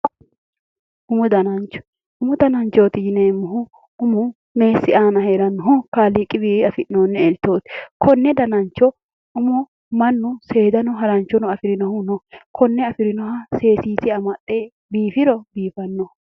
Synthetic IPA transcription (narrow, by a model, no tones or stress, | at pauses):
ʊmʊd̪ɐnɐnt͡ʃːɔ̥ | ʊmʊd̪ɐnɐnt͡ʃoːt̪ɪjɪneːmːʊɦʊ | ʊmʊ | me̞ːsːɪaːnɐɦeːɾɐnːɔɦʊkaːliːkʼːɪbiːɐfɪnoːnːɛɛlt̪ːoːt̪kɔnːɛd̪ɐnɐnt͡ʃːɔ | ʊmʊ | mɐnːʊse̞ːd̪ɐnʊɦɐɾɐnt͡ʃːɔnɔɐfɪɾɪnɔhʊnɔkʰɔnːɛɐfɪɾɪnɔɦɐse̞ːsiːtɪɐmɐt̪ʼːeː | biːfɪɾɔbiːfɐnːɔ